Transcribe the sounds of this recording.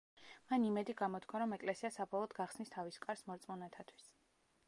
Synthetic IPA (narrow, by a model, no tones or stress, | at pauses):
manimɛd̪iɡamɔt̪ʰkʰwaɾɔmɛkʼlɛsiasabɔlˠɔd̪ɡaχsnist̪ʰaviskʼaɾsmɔɾt̪sʼmɔnɛt̪ʰat̪ʰwi̥s